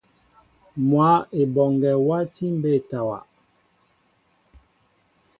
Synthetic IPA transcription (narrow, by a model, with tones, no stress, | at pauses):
mwa˨˦e˨bɔ˨ŋɡɛ˨wa˦ti˦m̩˦be˦˨ta˨wa̰˨